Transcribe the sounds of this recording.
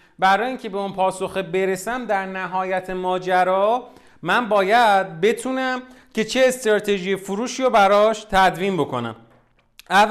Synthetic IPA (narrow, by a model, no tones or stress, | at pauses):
bæɾɒːjiːŋcʰe̞be̞unpʰɒːsoxebe̞ɾe̞sæmd̪æɾnæɦɒːjæt̪ʰemɒːd͡ʒæɾɒː | mænbɒːjæd̪̚be̞t̪ʰuːnæm | cʰe̞t͡ʃʰe̞ːst̪ɾɒːt̪ʰe̞ʒijefuɾuːʃiːɾobæɾɒːʃt̪ʰæd̪vinbo̞kʰo̞̰næ̰m | æː